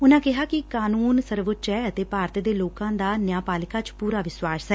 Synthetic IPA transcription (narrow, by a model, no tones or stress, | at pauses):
ʊnãːkɪɦaːkɪkaːnuːnsəɾʋət͡ʃɛːət̪eːpaːɾt̪d̪eːloːkãːd̪aːnjaːpaːlɪkaːt͡ʃpuːɾaːʋɪswaːsɦɛː